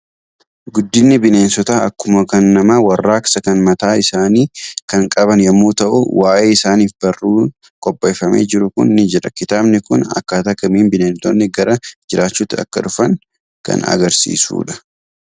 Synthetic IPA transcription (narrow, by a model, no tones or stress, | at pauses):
ɡʊd̪ːɪnːɪbɪne̞ːnsɔt̪aːɐkːʊmɐkɐnːɐmawɐrːaːkɐ̥sɐkɐnmɐt̪aːɪsaːniːkɐŋkʼɐbɐnjɐmːuːt̪ɐʔʊwʔaːʔe̞ːɪsaːniːfbɐrːuː | kʼɔpʼːeːfɐmḛːd͡ʒɪɾʊkʊ̰nːɪd͡ʒɛᶑɐkɪt̪aːbnɪkʊnɐ̰kːaːt̪ɐkːɐmiːnbɪneːnsɔnːɪɡɐɾɐd͡ʒɪɾʔaːt͡ʃːuːt̪ːɪɐ̰kːɐᶑʊfɐŋ | kɐ̰nɐ̰ɡɐɾsḭːsṵːᶑɐ̥